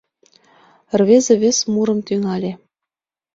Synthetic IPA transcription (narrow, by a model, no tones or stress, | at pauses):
rβʲezʲĕβʲɘ̆sʲmuɾɤ̆mt̪yŋɑlʲe